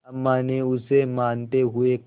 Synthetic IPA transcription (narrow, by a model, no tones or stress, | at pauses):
ɐmːaːneʊsemaːnt̪eɦʊek